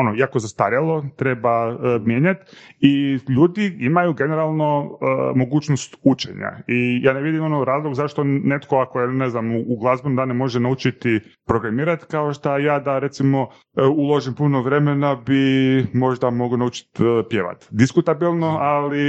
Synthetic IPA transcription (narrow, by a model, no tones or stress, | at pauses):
onoiakozast̪aɾjalˠo̞t̪ɾebamjeːɲat̪iʎuːd̪iimajuɡe̞neɾalˠnomo̞ɡuːt͡ʃnost̪ut͡ʃe̞̰ɲa̰ijaːneʋid̪imonoɾaːzlˠoɡzaʃt̪o̞net̪koakojeneznamuːɡlˠazbonud̪anemo̞ʒenaut͡ʃit̪ipɾoɡɾamiːɾat̪kao̞ʃt̪ajaːd̪aɾet̪simo̞ | ulˠoʒimpunoʋɾe̞menabimo̞ʒd̪amo̞ɡonaut͡ʃi̥t̪pjeʋa̰t̪d̪iskut̪abilˠnoali